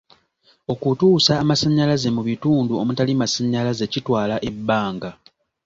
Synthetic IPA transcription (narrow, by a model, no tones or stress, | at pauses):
o̞kutuːsaːmasaɲːalaze̞muβituːnduo̞mutalimasaɲːalaze̞citwaːlaʔe̞bːaːŋɡa